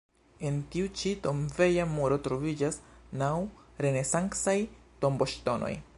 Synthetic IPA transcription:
e̞ntiut͡ʃito̞mve̞jamoɾo̞tɾo̞vid͡ʒasnawɾe̞ne̞saŋksajtombo̞ʃto̞no̞̰j

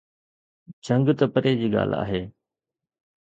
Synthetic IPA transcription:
d͡ʑə̃ŋɡt̪ɐpəɾeːd͡ʑiːɠa̰ːl̤a̰ːɦeː

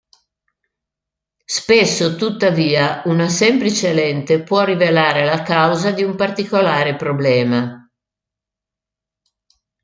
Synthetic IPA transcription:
spesːot̪ut̪ːaviːaunasɛmplit͡ʃelɛnt̪epwɔrːivelaːɾelakawzad̪iumpart̪ikolaːɾepɾoblɛːma

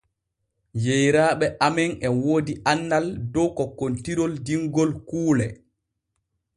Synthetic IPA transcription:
jejɾaːɓɛʔamɛŋɛwoːdiʔanːaldɔkɔkːontiɾɔldiŋɡɔlkuːlɛ

